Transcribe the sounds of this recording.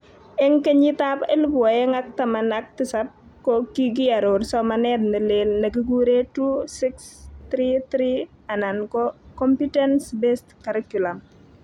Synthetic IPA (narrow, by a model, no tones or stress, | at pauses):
ɛŋkeɲitapelpwajɛŋak̚tɐmanak̚tɪsap̚ | kɔkiɡiaɾoɾsɔmanɛd̚nɐlelnɐk̬iɡuɾetusɪkstɾit̪ɾi | anankɔkɔmpitɛnsbestkaɾikulam